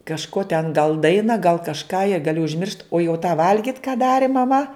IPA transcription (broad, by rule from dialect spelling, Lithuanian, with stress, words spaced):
kɐʃˈkoː tʲɛn ɡɐlˠ ˈdɐɪnɐ ɡɐlˠ kɐʃˈkɑː jɛ ɡɐˈlʲɪ ʊʒʲˈmʲɪrʃt oː jɛʊ tɑː ˈʋɐlʲɡʲɪt kɑː ˈdɑːrʲɪ mɐˈmɐ